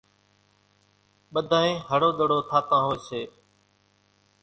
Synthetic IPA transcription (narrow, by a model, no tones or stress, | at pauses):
ɓəd̪ʱaːɦẽːɦəɽoːɗ̪əɽoːt̪ʰaːt̪ãːɦoːseː